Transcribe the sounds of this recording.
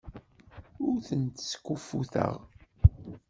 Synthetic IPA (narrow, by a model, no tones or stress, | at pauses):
ʊɾθənt̪skːufːuθə̰ʁ